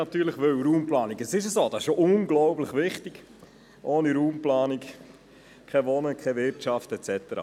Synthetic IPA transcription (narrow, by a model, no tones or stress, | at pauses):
nɑt̪yːləχʋʏwɾuːmplɑːniɡəsɪʃ̬əsoːd̥ɑsɪʃoʔʊnɡlɔʊblɪχʋɪχtɪɡ̥ | ʔoːniɾuːmplɑːnik | kʰɛʋɔnəkʰɛʋɪɾtɑftɛt͡sɛt̪əɾɑ̰ː